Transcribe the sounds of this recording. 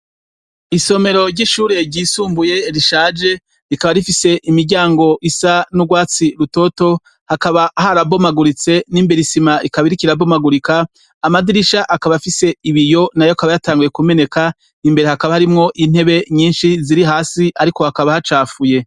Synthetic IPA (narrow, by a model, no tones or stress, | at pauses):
iso̞me̞ɾo̞ɾɟiːʃuːɾe̞ɟiːsuːmbuje̞ɾiʃaːd͡ʒe̞ | ɾikaβaɾifise̞ʔimiɾɟaːŋɡo̞ʔisanuɡwaːt͡siɾuto̞to | hakaβahaɾabo̞maɡuɾit͡se̞niːmbeɾisimaʔikaβiɾikiɾabo̞maɡuɾikaː | madiɾiʃaʔakaβafise̞iβijo̞najoakaβajataːŋɡuje̞kume̞ne̞ka | nimbe̞ɾe̞hakaβahaɾimŋo̞ʔin̥e̞βe̞ɲiːnʃiziɾiɦaːsiʔaɾiko̞hakaβahat͡ʃaːfuje̞